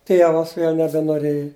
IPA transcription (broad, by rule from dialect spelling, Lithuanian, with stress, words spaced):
ˈtʲiɛʋɐs ˈʋʲeːlʲ nʲɛbʲɛnoːˈrʲeːjɪ